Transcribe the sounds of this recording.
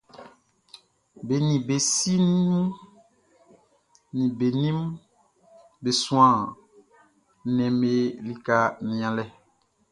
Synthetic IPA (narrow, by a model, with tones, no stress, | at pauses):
be˨nĩ˨be˨si˦n˦ũ˦ | nĩ˨be˨nĩ˦m | be˨sũ˦ã˨ | nɛ̃˨me˦li˦ka˦nĩ˨ã˨lɛ˦